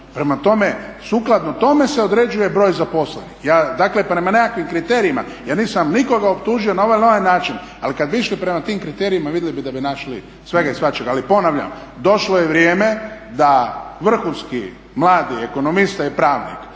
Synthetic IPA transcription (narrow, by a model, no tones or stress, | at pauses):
pɾe̞mat̪o̞me̞suːklˠad̪not̪o̞me̞se̞o̞d̪ɾe̞d͡ʒuje̞bɾo̞ːjzapo̞slḛnixjaːd̪akle̞pɾe̞manekakʋimkɾit̪e̞ɾiima̰ | jaːniːsamniko̞ɡaopt̪uːʒio̞nao̞ʋajnoʋajnaːt͡ʃin | alikad̪biiʃlipɾe̞mat̪iːmkɾit̪eːɾijimaʋid̪elibid̪abinaʃlḭ | sʋe̞ɡaisʋat͡ʃeɡalipo̞naʋʎa̰md̪o̞ʃlojeʋɾjeːme̞d̪aʋr̩xunskḭ | mlˠaːd̪ieko̞no̞mist̪aipɾaːʋnḭk